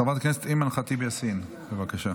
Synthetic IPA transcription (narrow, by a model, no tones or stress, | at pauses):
avat̪akneset̪imanχat̪ibejasin | bevakaʃa